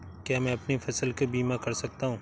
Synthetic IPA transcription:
kamɛ̃ːɐpnifɐsəlkebiːmakɐɾsɐk̚t̪aːɦũː

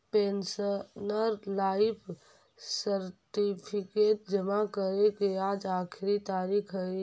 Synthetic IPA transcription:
peːnsənəɾlaːɪpʰ | səɾʈipʰikeːʈ̚d͡ʒəmakəɾekeaːd͡ʒaːkʰɾit̪aːɾiːkʰɦə

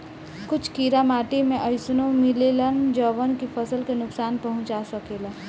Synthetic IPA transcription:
kʊt͡ʃʰkiːɾamaːʈemẽʔəɪsnõmɪlelənd͡ʒəʋənkipʰəsəlkenʊksaːnpəɦʊ̃t͡ʃasəkeːla

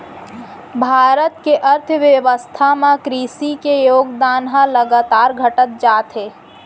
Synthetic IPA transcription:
bʱaːɾət̪keʔəɾt̪ʰʋjəʋəst̪ʰamãkɾiːsikejoːɡd̪aːnɦãləɡaːt̪aːɾɡʱəʈət̪̚d͡ʒaːt̪ɦeː

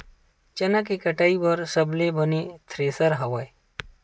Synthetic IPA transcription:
t͡ʃɐnakekəʈaːibɐɾsəblebənet̪ʰɾeːsəɾɦɐʋaj

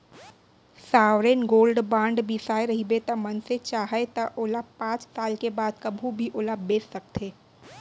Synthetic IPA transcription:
saːʋɾeːnɡoːlɖbãːɳɖbisaːeɾɐɦibet̪amɐnset͡ʃaːɦet̪aʔoːlapãːt͡ʃsaːlkebaːd̪kɐbʱũbʱiʔoːlabeːsːɐk̚t̪ʰeː

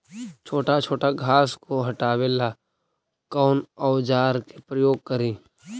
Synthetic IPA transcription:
t͡ʃʰoːʈat͡ʃʰoːʈaɡʱaːskoɦɐʈaːwela | kɔːnɔʊd͡ʒaːɾkepɾəjoːɡ̚kəɾĩː

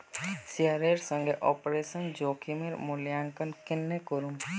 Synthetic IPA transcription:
siaɾeɾsə̃ŋɡeʔɔpɾesənd͡ʒoːkʰimeɾmuljaŋkənkɪnːekoɾum

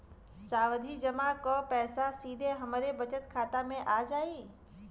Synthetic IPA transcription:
saːʋəd̪ʱid͡ʒəmakopɛːsasiːd̪ʱeɦɐmɾebɐt͡ʃət̪kʰaːt̪amẽʔaːd͡ʒaːiː

